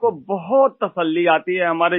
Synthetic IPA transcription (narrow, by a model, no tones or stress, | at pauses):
kobɐɦɔt̪ːɐsəlːiaːt̪iɦɛɦɐmaːɾe